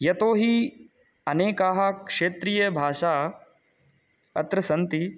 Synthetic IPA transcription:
jɐt̪oːɦi | ɐneːkaːɦɐkʂeːt̪ɾijɐbʱaːʃaː | ɐ̰t̪ɾɐsɐnt̪i

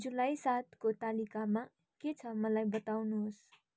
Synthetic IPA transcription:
d͡zulajsat̪ʰkot̪alikama | ket͡sʰʌmʌlajbʌt̪awnuɦos

